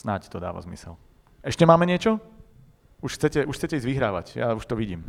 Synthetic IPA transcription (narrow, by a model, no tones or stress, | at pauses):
snact̪ɔd̪a̰ːʋa̰zmḭsɛ̰l | ɛʃcɛmaːmɛɲɪɛt͡ʃɔ | uʃxt͡sɛcɛʔuʃxt͡sɛcɛizʋiɦɾaːʋa̰cja̰uʃt̪ɔʋiɟḭːm